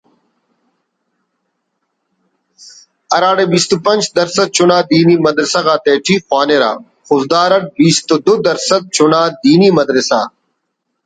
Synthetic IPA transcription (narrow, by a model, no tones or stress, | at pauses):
ɐɾaːɽebiːst̪upɐnd͡ʒd̪ɐɾsɐd̪̚t͡ʃʊnaːd̪iːniːmɐd̪ɾɪsaːɣaːt̪eːʈʰiːxwaːneːɾa̰ː | xʊzd̪aːɾɐʈ̚biːst̪ud̪ʊd̪ɐɾsət̪̚t͡ʃʰʊnaːd̪iːniːmɐd̪ɾɪsa̰ː